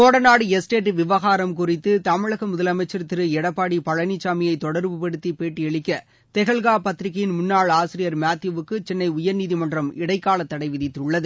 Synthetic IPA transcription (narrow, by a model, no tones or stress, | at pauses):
koːɽɐnaːɽɯɛsʈeːʈːʋɪʋɐɣaːɾɐmkʊrɪt̪ːɯt̪ɐmɪɭɐɣɐmʊðɐlɐmɐɪt͡ʃːɐɾɐt̪ːɪɾɯɛɽɐpːaːɽipɐɭɐnit͡ʃːaːmɪjɐɪt̪ɔɽɐɾʋɯpɐɽɯt̪ːipeːʈːɯɛɭɪkːɐ | t̪ɛɣɐɭɣaːpɐt̪ːɪɾɪkːɐjɪnmʊnːaːɭaːsɪɾɪjɐɾmaːt̪juʋɯkːɯt͡ʃɛnːɐɪʊjɐɾniːðimɐndrɐmɪɽɐɪkːaːɭɐt̪ːɐɽɐɪʋɪðɪt̪ːʊɭːɐðɯ